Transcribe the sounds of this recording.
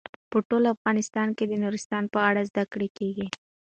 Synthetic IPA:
pəʈolafɣɑnɪst̪ɑnked̪ənuɾɪst̪ɑnpəaɽazd̪akɽekeɡi

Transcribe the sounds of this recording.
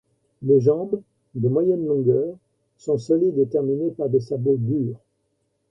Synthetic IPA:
leʒɑ̃b | d̪əmwajɛnlɔ̃ɡœːʁ | sɔ̃sɔlid̪et̪ɛʁminepaʁd̪esabod̪yːʁ

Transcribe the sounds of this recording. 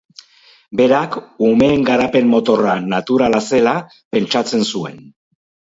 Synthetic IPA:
be̞ɾakume̞ːŋɡaɾape̞mmo̞t̪o̞ranat̪uɾalase̞la | pe̞nt͡ʃat͡se̞nsue̞̰n

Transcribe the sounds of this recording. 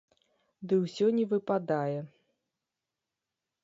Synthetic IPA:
d̪ɨwsʲɔnʲɛvɨpad̪ajɛ

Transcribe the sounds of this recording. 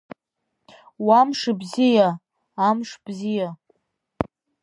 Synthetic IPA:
wamʂɨbzija | amʂb̥zija

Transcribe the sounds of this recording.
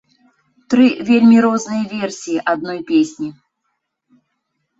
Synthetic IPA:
t̪ɾɨvʲelʲmʲiɾɔznɨjɐvʲɛrsʲijiʔad̪̚nɔjpʲesʲnʲi

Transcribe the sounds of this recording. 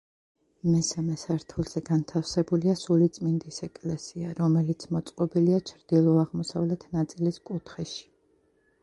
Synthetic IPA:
mɛsamɛsaɾt̪ʰulˠz̥ɛɡant̪ʰafsɛbuliasulit̪sʼmind̪isɛkʼlɛsiaɾɔmɛlit̪sʰmɔt̪sʼqʼɔbiliat͡ʃʰɾd̪̥ilˠɔaʁmɔsavlɛt̪ʰnat̪sʼiliskʼut̪ʰχɛʃi̥

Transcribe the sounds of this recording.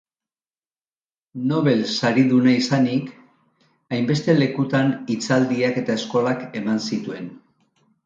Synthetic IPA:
no̞βe̞lsaɾiðunaisanik | ajmbe̞st̪e̞le̞kut̪anit͡sald̪iake̞t̪ae̞sko̞lake̞mansit̪ue̞n

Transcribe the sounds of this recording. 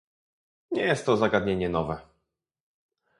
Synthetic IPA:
ɲɛjɛst̪ːɔzaɡad̪̚ɲeɲɛnɔvɛ

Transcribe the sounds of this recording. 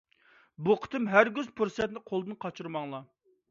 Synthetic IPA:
buqʰə̥t̪ʰɨmɦæɾɡʲyzpʰuɾsɛt̪nɪqʰolˠd̪ɨnqʰɑt͡ʃʰuɾmɑŋlˠɑ

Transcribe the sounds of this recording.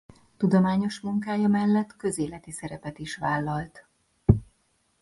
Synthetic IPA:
t̪ud̪omaːɲo̞ʃmuŋkaːjɒmɛlːɛt̪kø̞zeːlɛt̪isɛɾɛpɛt̪iʃʋaːlːɒlt̪

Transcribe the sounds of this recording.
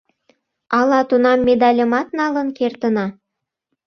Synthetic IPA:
ɑlɑt̪unɑmːed̪ɑlʲəmɑt̪̚nɑlə̆nkert̪ə̆nɑ

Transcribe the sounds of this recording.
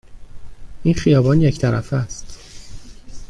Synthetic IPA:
ʔiːnxijɒːbɒːnjecʰt̪ʰæɾæ̰fæst̪

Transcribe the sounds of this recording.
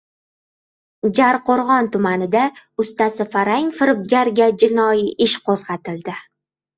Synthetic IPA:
d͡ʒaɾqʰoɾʁɒnt̪ʊmanɪd̪aʊst̪asɪfaɾaŋfɪɾɪb̚ɡʲaɾɡʲad͡ʒɪnɒjiʔɪʃqʰozʁɑt̪ɪld̪ɪ

